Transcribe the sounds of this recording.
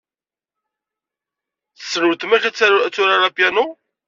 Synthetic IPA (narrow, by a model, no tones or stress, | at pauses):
θə̥sːɾəwt̪mæçæt͡sːæt͡sːʊɾaɾapjanu